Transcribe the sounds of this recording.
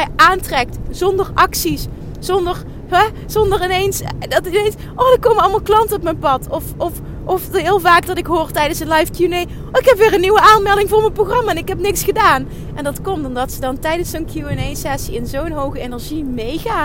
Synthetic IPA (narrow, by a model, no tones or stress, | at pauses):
ɛjʔaːntrɛk̚tz̥ɔndərʔɑksis | z̥ɔndəɹ | ɛ | z̥ɔndəɹɪnejnsdɑtʋejt | ʔoːdəɹkowmənɑlˠmalˠklɑntəɔp̬mɛjnpɑtʰɔfɔf | ʔɔfɦɪːlˠvaːkdɑtɪkɦʊːrtɛjdənsənlɑjfkjunej | ɪkɦɛpʋɪːɹənːiwəʔaːnmɛlˠdɪŋvʊːɹmənproχrɑmaɛnɪkɦɛpnɪksχədaːn | ʔɛndɑtkɔmtɔmdɑtsədɑntɛjdənsownkʰjuɛnejsɛsiɪnzownɦowɣəenɛɹʒimejɣaː